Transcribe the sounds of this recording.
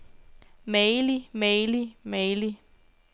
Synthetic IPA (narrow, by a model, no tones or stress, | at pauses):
meːlimeɪlimeɪli